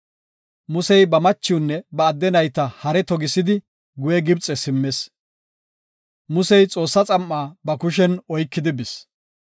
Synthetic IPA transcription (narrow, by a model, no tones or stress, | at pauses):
mʊsɛjbɐmɐt͡ʃːɪwnːɛbɐːd̪ːɛnɐjt̪ɐhɐɾɛt̪ɔɡɪsɪd̪ɪ | ɡʊjɛɡɪbt͡sʼɛsɪmːes | mʊsɛjt͡sʼo̞ːsːɐt͡sʼɐmːaːbɐkʊʃ̬ɛnɔjkːɪd̪ɪbɪs